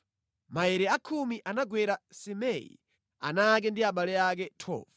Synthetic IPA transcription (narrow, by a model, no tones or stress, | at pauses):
maɛɾɛakʰumiʔanaɡwɛɾasɛmɛḭ | a̰nak̬ɛndiaɓalɛak̬ɛtʰɔ̰ːv